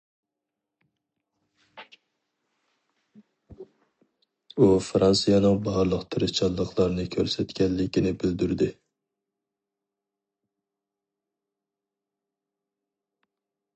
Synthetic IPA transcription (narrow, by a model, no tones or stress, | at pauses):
ufɾɑnsijɑnɨŋbɑɦɾlˠəqt̪ʰɪɾɪt͡ʃʰɑlˠːəqlˠɑɾnɪkʲʰøɾsɛt̪kʲɛnlɪkʲɪnɪbɪld̪yɾd̪ɪ